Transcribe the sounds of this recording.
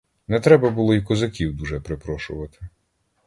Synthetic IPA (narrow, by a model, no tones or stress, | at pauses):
nɛt̪ɾɛbɐbʊlˠɔikɔzɐkʲiwd̪uʒɛpɾɪpɾɔʃʊʋɐt̪ɪ